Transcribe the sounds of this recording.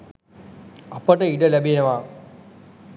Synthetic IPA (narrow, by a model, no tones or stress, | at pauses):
ɐpəʈɐiɖɐlæbinɐʋaː